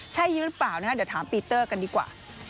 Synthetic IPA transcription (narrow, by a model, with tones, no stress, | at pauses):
t͡ɕʰa˦˥˩jːɯː˦˥ɾɯ˦˥plaː˨˩wnaː˦˥˩d̪ːwt̪ʰaː˩˦mpiː˧t̪ːɤː˥˩ka˧ndiː˧kwa̰ː˨˩